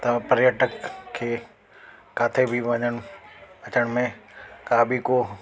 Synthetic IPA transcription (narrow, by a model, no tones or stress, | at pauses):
t̪ɐ̃pəɾjəʈəkʰːeː | kaːt̪ʰebʱiʋɐ̃ɲəɽ̃ɐt͡ɕəɽ̃mẽkaːbʱiko